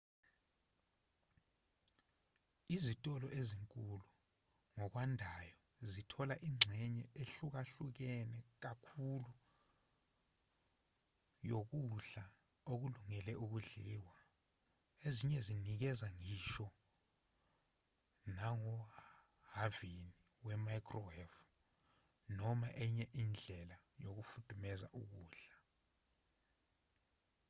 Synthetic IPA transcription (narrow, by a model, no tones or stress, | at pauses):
izitʼɔlɔʔeziŋkʼulu | ŋɔk̬wandʱajɔ | zitʰɔlaʔiŋ͡ǀʱɛɲɛʔeɬuk̬aɬuk̬ɛnɛk̬akʰulu | jok̬uɬa | ok̬uluŋɛlɛʔuk̬uɮiwa | eziɲɛzinik̬ɛzaŋiʃɔ | naŋɔ | havini | wɛmajkʰʼrɔwɛf | nɔmaʔɛɲɛʔind͡ɮʱɛla | jok̬ufud̥ʰʱʼumɛza̰ʔuk̬uːɬḁ